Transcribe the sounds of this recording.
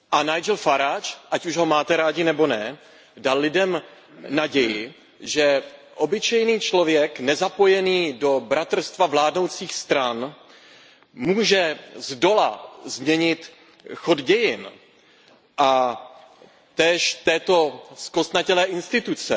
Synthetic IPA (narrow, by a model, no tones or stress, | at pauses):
ʔanajd͡ʒɛlfaɾat͡ʃʔacuʒɦo̞maːt̪ɛɾaːɟɪnɛbo̞nɛ | dallɪdɛm | naɟɛjɪ | ʒɛ | ʔobɪt͡ʃɛjniːt͡ʃlo̞vjɛknɛzapo̞jɛniːdo̞bɾat̪r̩st̪vavlaːdnowt͡siːxst̪ɾan | muːʒɛzdo̞lazmɲɛɲɪt̪ | xodɟɛjɪn | ʔa | t̪ɛːʃt̪ɛːt̪o̞skost̪nacɛlɛːʔɪnst̪ɪt̪ut͡sɛ